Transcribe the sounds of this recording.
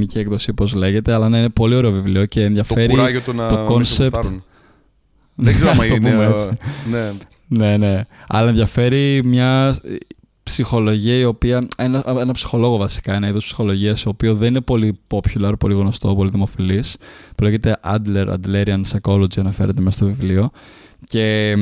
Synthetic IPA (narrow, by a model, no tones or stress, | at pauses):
miciekðo̞sipo̞zle̞ʝe̞t̪eɐlɐneine̞po̞lio̞ɾe̞o̞vivlioce̞ːnðʝɐfe̞ɾiɾɐʝot̪unɐt̪oko̞nsep̪n | nzeɐft̪opumeet͡sine | ne̞ne̞ɐ̰lɐenðʝɐfe̞ɾimɲɐ | psixo̞lo̞ʝiɐio̞piɐenɐenɐpsi̥xo̞lo̞ɣo̞vɐsi̥kɐenɐiðospsi̥xo̞lo̞ʝiɐsio̞pioðe̞nine̞po̞lipopçulɐɾpo̞liɣno̞st̪o̞po̞liðimo̞filispuleçe̞t̪e̞ʔɐd̪leɾɐ̰d̪leɾiɐnseko̞lod͡ʒiɐnɐfe̞ɾʔet̪emsɐst̪ovivlio̞ | ce̞